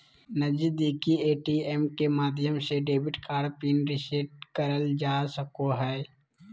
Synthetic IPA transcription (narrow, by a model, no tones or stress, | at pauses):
nəd͡ʒd̪iːkieːʈiɛːmkemaːd̪ʱjəmseɖeːbɪʈkaːɾpiːnɾɪseʈ̚kəɾəld͡ʒaːsəkoɦɛː